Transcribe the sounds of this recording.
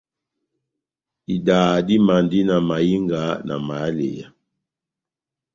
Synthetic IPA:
i˨daː˨di˦ma˨ndi˦na˨ma˨ji˦ŋɡa˨˦na̰˨ma˨˦lḛ˨ja˨

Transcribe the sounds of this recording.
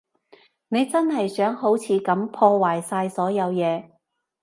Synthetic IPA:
ne˨˧jt͡sɐ˥nɦɐ˨jsœː˨˥ŋɦo˨˥wt͡sʰiː˨˧kɐ˨˥mpʰɔː˧waː˨˩jsaː˧jsɔː˨˥jɐ˨˧wjɛː˨˧

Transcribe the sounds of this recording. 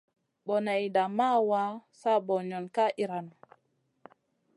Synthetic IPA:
ɓɔ˨na˨jida˨ma˦wa˦sa˦bɔ˨ɲɔ˨nka˦ʔi˨ɾa˨nɔ˨

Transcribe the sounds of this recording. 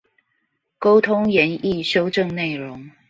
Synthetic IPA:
ko˥ʊt̪ʰʊ˥ŋjɛ˨˦˥ni˥˨ʂo˥ʊʈ͡ʂɤ˥˧ŋne˥˩ɪɻʊ˨˦ŋ

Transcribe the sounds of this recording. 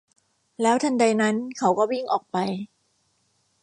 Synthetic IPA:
lɛː˦˥wt̪ʰa˧nda˧jna˦˥nkʰa˦˥wkɔː˥˩wi˥˩ŋʔɔː˨˩k̚pa˧j

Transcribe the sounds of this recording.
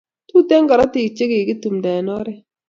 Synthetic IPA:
tu˦te˦ŋɡa˨ɾa˦ti˨t͡ʃe˦ɡe˨ɡi˦tu˨mda˨nɔ˦ɾɛ˦

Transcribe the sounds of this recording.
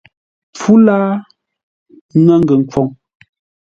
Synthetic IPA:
p͡fu˦laː˦ | ŋa˦ŋ˦ɡə˨ŋ̩˨kwɔ˨ŋ

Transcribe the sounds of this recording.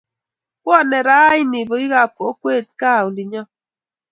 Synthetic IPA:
wɔ˦nɛ˨ɾa˦i˦ni˨bo˨i˦ɣa˨po˦kwe˦˨t̚ka˦˨u˨li˨ɲɔ˦

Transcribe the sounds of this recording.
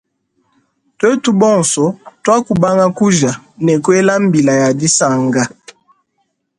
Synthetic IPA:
twe˦tu˦bɔ˦˨nsɔ˨twa˦ku˨ba˦ŋɡa˦ku˦ʒa˨nɛ˨kwe˦la˦m˦bi˨la˨ja˨di˦sa˦˨ŋɡa˦

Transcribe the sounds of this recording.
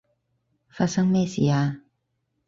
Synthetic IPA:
faː˧t̚sɐ˥ŋmɛː˥˩sḭː˨˩aː˧

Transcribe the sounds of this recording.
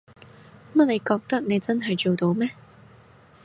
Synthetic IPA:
mɐ˥t̚le˨˧jkɔː˧k̚t̪ɐ˥k̚ne˨˧jt͡sɐ˥nɦɐ˨jt͡so˨wt̪o˧wmɛː˥

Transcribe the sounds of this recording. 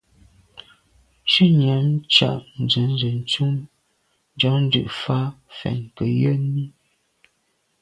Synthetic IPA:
ʃʉ˦ɲa˨˦m˦t͡ʃa̰˨ʔn̩˨d͡zə˨˦n˦zə˨n˨t͡su˦m | n˦d͡ʒɔ˦ŋn̩˦dʉ̰˦˨ʔfa˦ | fɛ̰˨ŋ˨kə˨jə˦ni˦

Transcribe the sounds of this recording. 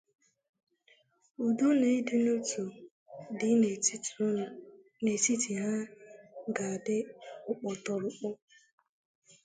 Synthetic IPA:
u˨do˦ne˨i˦dɪ˦no˦tu˨ | dɪ˦˨˦ | ne˨si˦ti˨ɦa˦ | ɡa˨dɪ˦ʊ˦k͡pɔ˨tɔ˨ɾʊ˨k͡pɔ˦

